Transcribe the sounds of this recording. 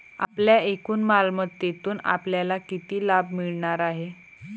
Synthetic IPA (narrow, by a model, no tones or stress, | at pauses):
a̰pljaekuːnmalmət̪ːet̪uːna̰pljalakit̪iːlabmiɭɳaɾaɦe